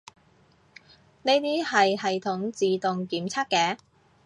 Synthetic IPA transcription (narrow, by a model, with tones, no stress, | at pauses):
ne˥t̪iː˥hɐ˨jhɐ˨jt̪ʰʊ˨˥ŋt͡siː˨t̪ʊ˨ŋkiː˨˥mt͡sʰɐ˥kːɛː˨˥